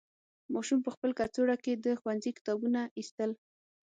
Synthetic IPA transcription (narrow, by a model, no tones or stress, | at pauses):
mɑʃumpəxpəlkat͡soɽaked̪əxwanzikɪ̥t̪ɑbunaist̪əl